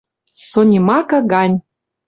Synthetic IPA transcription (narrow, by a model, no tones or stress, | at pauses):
sonʲimɑkɤ̆ɣɑnʲ